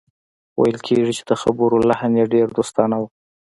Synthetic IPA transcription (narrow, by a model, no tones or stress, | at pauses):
wa̰jəlkʰeʐit͡ʃe̥d̪̥əxabuɾolahanjeɖeɾd̪ost̪ɑnaw